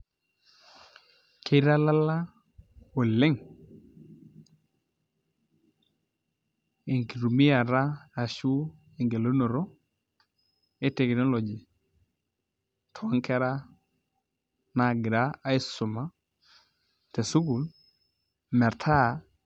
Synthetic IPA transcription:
kʰe˦ɾa˦la˦la˦ | o˨lɪ˦ŋ | e˨ŋki˨ɾu˨mi˦a˨ɾa˦a˨ʃu˦ | e˨ŋɡe˨lo˦no˨ɾo˦ | e˦te˨kno˦lo˨d͡ʒi˨ | tʰɔ˨a˦ŋkɛ˦ɾa˦ | na˨ɡɪ˨ɾa˦a˦ɪ˦sʊ˨ma˦ | te˨su˦ku˨l | mɛ˨ɾtʰa˦˨

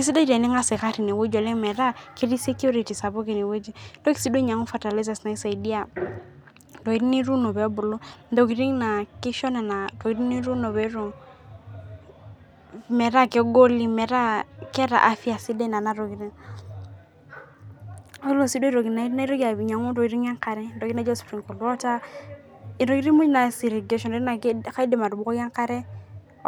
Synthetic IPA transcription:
ki˨s̬i˦da˦ɾe˨nɪ˦ŋa˦sɛ˨ka˦ɾi˨ne˨wo˦d͡ʒɔ˨lɛ˦ŋmɛ˨ɾa˦ke˦ɾi˦se˦kju˦ɾi˨ti˨sa˨bo˦ki˨ne˨we˦d͡ʒi˨d̥ɔ˦ki̥˨si˦do˦ɲa˨ŋu˦fa˨ta˨li˦s̬a˨sna˨i˦sa˨i˨di˦a˨ | dɔ˨i˦ɾi˦ni˦ɾu˦no˨bɛ˨ɔ˦bʊ˨lo˦do˨ɡi˨ɾi˦ŋna˨kɪ˦ʃɔ˦nɛ˨na˨to˨i˦ɾi˦ni˦ɾu˦no˨bɛ˨˦ɾu˨ | mɛ˨ɾa˦kɛ˦ɡo˦li˦mɛ˨ɾa˦kɛ˦ɾa̰˨ʔa˦fi˦a˨si˦de˦na˨na˨ɾo˨ɡi˨ɾi˦ŋ˦ | u˦lo˦˨si˦do˦i˦ɾo˨ɡi˨na˨˦na˦i˦ɾo˦ɡa˨i˨ɲa˨ŋu˦do˨ɡi˨˦ɾi˦ŋ˦a˦ŋka˨ɾɛ˦do˨ɡi˦na˦d͡ʒo˦sfɾi˨ŋ˨ko˨lɔ˦ta˦ | i˨ɾo˨ɡi˦ɾi˦mu˦d͡ʒna˨si˨ɾe˨ɡe˨ʃɔ˨n˨o˦i˦na˨˦ka˦i˦di˨ma˨ɾu˨bu˨ko˦ɡa˦ŋka˦ɾɛ˦

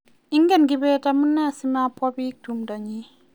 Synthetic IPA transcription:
i˦ŋɡɛ˦˨nɡi˦bɛ˦ta˦mu˦nːɛ˦˨si˦ma˦pɔ˦bi˦k̚tu˨mda˨ɲi˦

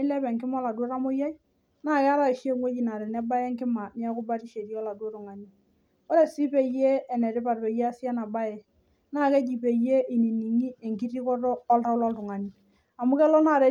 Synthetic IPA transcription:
ɪ˦lɛ˦pɛ˨ŋkɪ˦m˦ɔ˦la˨dɾa˦mo˦ja˦i˦ | na˦˨kɛ˦a˦ɾa˨i˨ʃi˦e˦ŋwe˦d͡ʒi˨na˨ɾɛ˨nɛ˦ba˦jɛ˦ŋkɪ˦ma˨ni˦a˦kʊ˦ba˦ti˦ʃe˨ɾi˦ɔ˦la˨do˦tʊ˨ŋa˨ni˦ | o˦ɾe˨si˦pe˨jeː˦˨nɛ˨ɾɪ˦pa˨ɾpe˨je˦a˦si˦a˦na˨ba˦jɛ˨ | naː˦˨ke˦d͡ʒi˨pe˨je˦ʔi˨ni˨ni˨ŋi˦e˨ŋki˦ɾi˦kɔ˦tɔː˦lta˦lɔ˦ltʊ˨ŋa˨ni˨ | a˨mu˦kɛ˦lɔ˦na˨ɾe˨˦

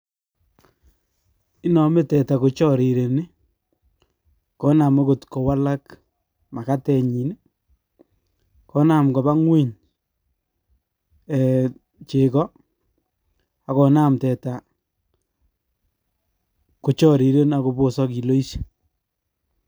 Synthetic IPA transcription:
ɪ˦nɔ˨me˦tɛ˨ta˨ko˨t͡ʃɔ˦˨ɾi˨ɾe˨ni˦ | kɔ˨˦na˨me˦ko˨tko˨wa˦la˦k | ma˨ka˦tɛ˨ɲi˨ne˦ | kɔ˦na˨mkɔ˨ba˦ŋwe˦˨ɲ | ɛ˨ | t͡ʃe˨kɔ˦ | a˨kɔ˨na˦mtɛ˨ta˨ | ko˨t͡ʃɔ˦ɾi˨ɾe˦na˨ko˨po˦sɔ˦ki˨lo˦i˦sḁ˦

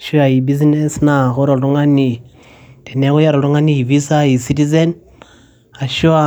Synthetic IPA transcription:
ʃu˦a˨i˨bi˦z̬ine˦sna˨ɣo˦ɾo˨lu˦ŋa˦ni˨ | te˨ne˦ɣu˦ja˦ɾo˨ɾu˦ŋa˦ni˦i˨vi˦sa˦i˨si˦ti˦ze˦n | a˨ʃu˦a˦

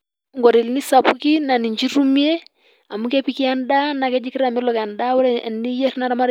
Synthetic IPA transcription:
ŋɡɔ˨ɾi˨lni˦sa˨pu˦ki˦na˨ni˨ɲd͡ʒi˦ɾu˦mi˦e˦ | a˨mu˦kɛ˦pi˦ki˦a˦nda˦na˨kɛ˦d͡ʒi˦ki˦ɾa˨mɪ˦lɔ˨ka˨nda˦wo˦ɾni˦jɛ˦ɾi˦na˨ɾa˦ma˦ɾ

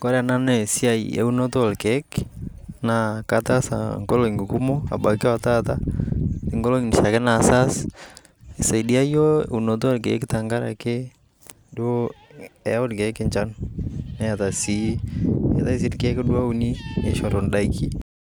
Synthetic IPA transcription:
ko˦ɾa˨na˦nɛ˨si˦a˦i˨ḛ˨u˦no˦to˦˨lkɛ˨˦k | na˨ka˦ta˦sa̰ŋɡo˦lo˨i˨ŋɡu˨ku˦mo˦a̰˨ba˨kɛ˦a˨ta˦ta˦ɪ˨ŋɡo˦lo˦ŋni˨ʃa˨kɛ˦na˨sa˦s | e˨sa˨i˨di˦a˦jo˦ḛu˨no˨to˦lkḛ˨˦kta˨ŋɡa˦ɾa̰˨ke˦ | dwo˦ɛ˨˦o˦dkɛ˨˦kɪ˨ɲt͡ʃa˦nna˦ja˨ta˨si˦ḛ˨ta˦i˦s̬i˦dkɛ˦kdwa˦u˦ni˦nḛ˦ʃɔ˨ɾo˨nda˦iki˨

